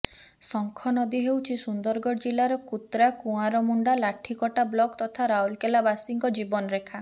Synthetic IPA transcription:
sɔŋkʰɔnɔd̪iɦewt͡ʃʰisund̪ɔɾɡɔɽd͡ʒilaɾɔkut̪ɾakuaɾɔmuɳɖalaʈʰikɔʈablɔkt̪ɔt̪ʰaɾaɦulkelabasiŋkɔd͡ʒibɔnɔɾekʰa

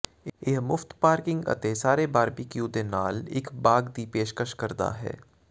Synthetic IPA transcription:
eɦmʊft̪paːɾkɪ̃ŋɡɐ̰t̪esaːɾebaːɾbʱikjuːd̪enaːlɪkbaːɡd̪ipeːʃkəʃkɐɾd̪a̰ɦɛ̰ː

